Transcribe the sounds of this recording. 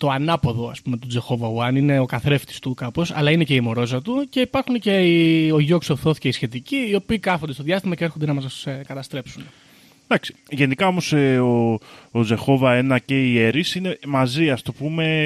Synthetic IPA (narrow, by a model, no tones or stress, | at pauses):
t̪o̞ɐnɐpo̞ðo̞ɐ̰spume̞t̪ud͡ze̞xo̞vɐwɐnine̞o̞kɐθɾe̞ft̪i̥st̪ukɐpo̞sɐ̰lɐine̞ce̞imo̞ɾo̞zɐt̪uce̞ipɐɾxunece̞io̞ʝoksoθo̞θi̥ceisçe̞t̪iciːo̞piːkɐfo̞nd̪est̪ðʝɐst̪imɐcee̞ɾxod̪e̞nɐmɐsskɐt̪ɐst̪ɾe̞psun | d̪ɐksi̥ʝe̞nikɐo̞mo̞seood͡ze̞xo̞vɐe̞nɐce̞ie̞ɾisine̞mɐziɐst̪opume̞